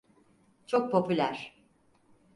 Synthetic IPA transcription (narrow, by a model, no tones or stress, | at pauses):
t͡ʃʰo̞k̚pʰo̞pʰylʲæɾ̥